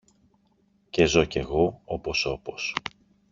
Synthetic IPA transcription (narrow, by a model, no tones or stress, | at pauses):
ce̞zo̞ce̞ɣo̞opo̞so̞po̞s